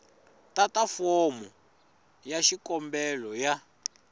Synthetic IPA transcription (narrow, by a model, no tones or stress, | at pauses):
tatafɔmɔ | jaʃikɔmbɛlɔja